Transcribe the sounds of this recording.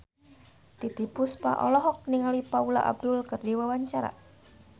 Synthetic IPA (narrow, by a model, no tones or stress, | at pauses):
t̪id̪ipʊspa̰ʔɔ̰lɔɦɔk̚niŋalipaulaʔa̰b̚d̪ʊlkərdiwawaɲt͡ʃaɾa̰